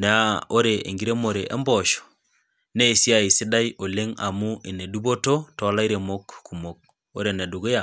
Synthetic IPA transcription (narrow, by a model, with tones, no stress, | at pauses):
na˨a˦o˦ɾe˨ḛ˨ŋɡi˦ɾe˦mo˨ɾe˨ʔḛ˦mbɔ˨ʃɔ̥ | ne˦˨sja˨i˨si˦da˦iʔo˨le˦ŋa˨mu˦ʔe˨ne˨du˦bo˦to˦tɔ˨˦la˦i˦ɾe˨mo˦kːu˨mo˨k̚ | o˦ɾe˨ne˨du˨ɡe˦ja˨